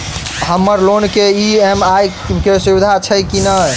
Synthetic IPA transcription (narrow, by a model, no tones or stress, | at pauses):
həmːəɾlonkeiemaj | kesubid̪ʱat͡ʃʰəjkinə